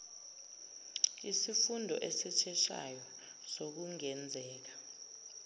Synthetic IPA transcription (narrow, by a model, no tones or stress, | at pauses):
isifundʱɔ̰ʔesit͡ʃʰɛʃa̰jɔ | sok̬uŋɛnd͡zʱɛːk̬ḁ